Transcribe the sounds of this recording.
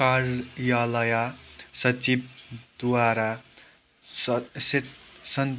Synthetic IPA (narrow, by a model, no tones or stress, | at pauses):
kaɾjalʌjasʌt͡sib̚d̪waɾa | sesʌn